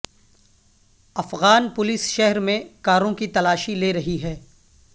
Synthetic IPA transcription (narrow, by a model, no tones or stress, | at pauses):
ɐfɣaːnpʊlɪsʃɛɦɾmẽkaːɾõkit̪ɐlaːʃileːɾɐɦiɦɛː